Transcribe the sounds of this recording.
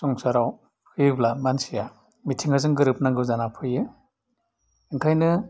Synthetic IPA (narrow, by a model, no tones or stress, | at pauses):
sɔŋsaɾaw | hʰɯjɯblamansija | mitʰiŋazɯŋɡɯɾɯp̚naŋɡɯwzanapʰɯjɯ | iŋkʰajnɯ